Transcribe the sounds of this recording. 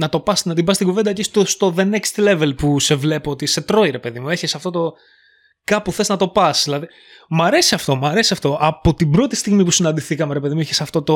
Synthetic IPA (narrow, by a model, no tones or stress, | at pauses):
nɐt̪o̞pɐsnɐt̪̬ibɐst̪iɡuved̪ɐceist̪ost̪o̞ðe̞nekst̪le̞ve̞lpuse̞vle̞pot̪ise̞t̪ɾo̞iɾe̞pe̞ðimue̞çesɐft̪o̞t̪o̞ | kɐpuθe̞znɐt̪o̞pɐsðilɐði | mɐɾe̞siɐft̪o̞mɐɾe̞siɐft̪o̞ʔɐpo̞t̪ibɾo̞t̪i̥st̪iɣmipusinɐnd̪iθikɐmeɾe̞pe̞ðimuiçesɐft̪o̞t̪o̞